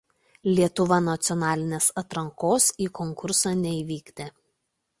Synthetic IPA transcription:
lʲiɛt̪ʊʋɐnɐt̪sʲɪɔnɑːlʲɪnʲeːsɐt̪ɾɐŋkoːsiːkɔŋkʊɾsɑːnʲɛiːʋʲiːɡd̪ʲeː

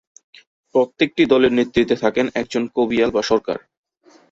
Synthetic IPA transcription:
pɾot̪ːek̚ʈid̪ɔleɾnit̪ːɾit̪ːet̪ʰakenɛk̚d͡ʑonkobialbaʃɔɾka̰ɾ

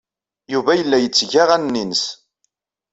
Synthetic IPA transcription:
juvæjəlːæjət͡sːʝaʁænnːinəs

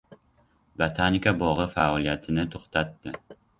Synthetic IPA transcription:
bet̪ʰanikʲʰabɒʁɨfaɒlˠijat̪ʰɪnɪt̪ʰoχt̪ʰat̪ːɪ

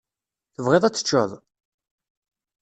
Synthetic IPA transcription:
θəvʁeðˤæt͡sːə̥t͡ʃːəðˤ

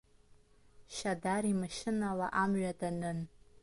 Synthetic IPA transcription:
ʃadarimɨʃɪnala̰ʔamɥadanɨn

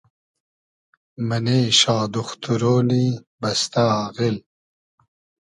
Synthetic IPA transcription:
mɐneːɕɑːd̪uxt̪uɾoːni | bɐst̪aaːɣil

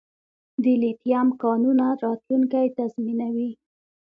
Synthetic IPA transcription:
d̪əlit̪jamkɑnunaɾɑt̪luŋkajt̪azminawi

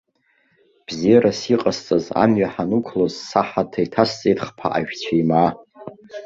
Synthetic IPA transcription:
b̥zijaɾasiqʼast͡sʼaza̰mɥaħanukʷʰlozsaħatʰajtʰast͡sʼejtʼχpʰa̰ʔa̰ʒᶣt͡ɕʷʰaimaː

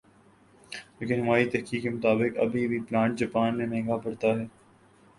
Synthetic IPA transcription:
leːkɪnɦʊmaːit̪ɛɦkiːkːemʊt̪aːbɪkɐ̰bʱibʱiplãːɳʈ̚d͡ʒɐpaːnmẽmɛ̃ːŋɡapɐɽt̪aɦɛː

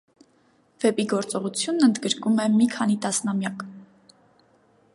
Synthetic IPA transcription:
vɛpiɡɔɾt͡sɔʁut͡sʰjunːənd̪ɡəɾkumɛmikʰɑnit̪ɑsnɑmjɑk

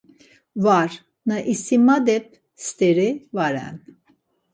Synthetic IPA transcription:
vaɾ | naʔisimad̪ɛp̚ | st̪eɾivaɾa̰n

